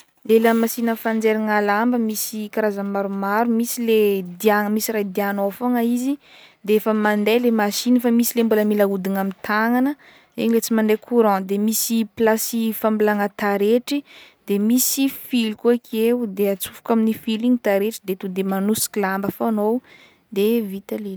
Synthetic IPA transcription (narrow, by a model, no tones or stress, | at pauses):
lelamasinəfand͡zeɾaŋalambəmisikaɾazamaɾumaɾumisiled̪iaŋəmisiɾajd̪ianofoŋaizi | d̪eefəmand̪elemaʃinifamisilembuləmilaud̪inamit̪aŋanə | ḛɲilet͡simand̪ekʰuɾɔ̃d̪emisiplasifambilaŋət̪aɾeʈ͡ʂid̪̥emisifilkuakʰeud̪eat͡sufu̥kaminifiliŋit̪aɾeʈ͡ʂid̪et̪ud̪emanusi̥kilambəfanow | d̪evit̪alel